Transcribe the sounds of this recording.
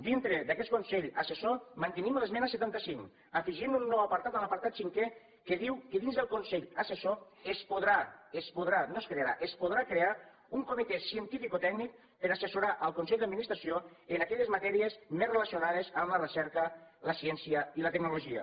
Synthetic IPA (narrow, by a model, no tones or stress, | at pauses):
d̪int̪ɾed̪əkɛt̪̚kunsɛʎəsesomənt̪ənimlezmɛnəsət̪ant̪əsiŋ | əfiʒimunːɔwapaɾt̪at̪aləpaɾt̪at̪siŋkɛ | keðiwkəðinzðəlˠkunsɛʎəseso | espoðɾaespuð̞ɾanoskɾeaɾaʔespoð̞ɾakɾea | uŋkumit̪ɛsiənt̪ifikot̪ɛɡnik̚ | pəɾasesuɾaʔəlˠkunsɛʎd̪əd̪minist̪ɾasioənakɛʎəzmat̪ɛɾiezmezreləsiunað̞ezəmlərəsɛɾkələsjɛnsiəilət̪əknuluʒiə̰